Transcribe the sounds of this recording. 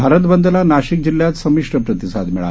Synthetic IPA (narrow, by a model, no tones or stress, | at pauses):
bʱaɾət̪bənd̪əlanaɕik̚d͡ʑiljat̪səmiʂʈəpɾət̪isad̪miɭa̰l